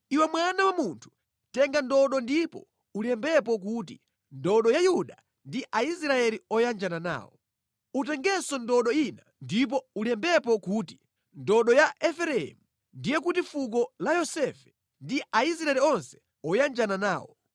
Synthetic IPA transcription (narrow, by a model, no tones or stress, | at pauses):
iwɛmwanawamuntʰu̥ | tɛŋɡandɔɗɔndipɔ̰ | ulɛmbɛp̬ɔk̬uːti | ndɔɗɔjajuɗa | ndiʔaisɾaɛliɔjand͡ʒanana̰ːwɔ | utɛŋɡɛsɔndɔɗɔinandip̬ɔulɛmbɛp̬ɔkuti̥ | ndɔɗɔjaʔɛfɛɾɛɛ̰mu | ndijɛkutifuk̬ɔlajɔsɛfɛ̥ | ndiʔaisɾaɛliɔnsɛ̥ | ɔjand͡ʒananaːwɔ̰